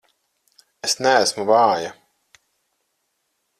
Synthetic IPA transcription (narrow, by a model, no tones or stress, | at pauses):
esnæːsmuvaːja